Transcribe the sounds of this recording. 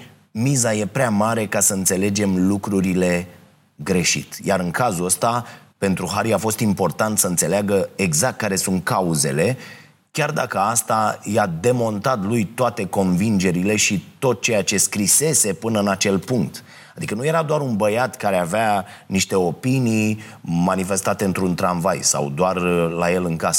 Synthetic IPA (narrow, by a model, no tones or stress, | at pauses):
mizaje̞pɾeamaɾe̞kasəɨnt̪se̞le̞d͡ʒe̞mlukɾuɾile̞ | ɡɾe̞ʃḭt̪jaɾɨŋkazuəst̪ape̞nt̪ɾuɦaɾiafo̞st̪impo̞rt̪ant̪səɨnt̪se̞leaɡəeɡzak̚t̪̚kaɾe̞sunt̪̚kauze̞̰le̞ | kʲard̪a̰kəast̪ajad̪e̞mo̞nt̪at̪lujt̪oat̪e̞ko̞nvind͡ʒe̞ɾile̞ʃit̪o̞t̪̚t͡ʃe̞jat͡ʃe̞skɾise̞se̞pɨnəɨnat͡ʃe̞lpuŋk̚t̪ | ad̪ikənuje̞ɾad̪oaɾunbəjat̪kaɾeaveaniʃt̪e̞o̞pinijmanife̞st̪at̪e̞ɨnt̪ɾunt̪ɾanvajsa̰wd̪oarlaje̞lɨŋkasə̥